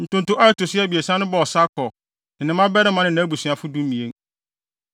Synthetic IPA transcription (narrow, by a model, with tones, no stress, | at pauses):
n̩˨tʊ̃˦ntʊ̃˦ʔa˦ɪ˦tʊ˨sɪ˦ɛ˦˨bi˨e˨sã˦nʊ̃˦bɔ˨ɔ˨sa˦kʰɔ˨ | nɪ̃˨nɪ̃˦mã˦bɛ˦ɾɪ˦mã˨˦nɪ̃˨nã˨˦bu˨sɥa˨fʊ˦du˦mĩ˨ẽ˦ŋ